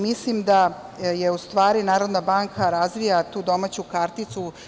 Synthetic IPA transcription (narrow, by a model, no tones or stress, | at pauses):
mislimd̪ajeust̪ʋaːɾinaːɾo̞d̪nabaːŋkʰaɾazʋijat̪uːd̪o̞maːt͡ɕukaɾt̪it̪su